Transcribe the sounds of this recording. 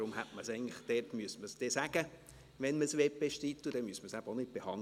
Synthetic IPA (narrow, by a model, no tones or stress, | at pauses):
ɾʊmɦætməsɛɪəntləχd̥ɛrtmyəsməsd̥ɛsæɡ̥ə | ʋɛnməsʋeːpeʃtit̪ːud̥ɛmyəsməsæbəonɪt̚b̥ehɑn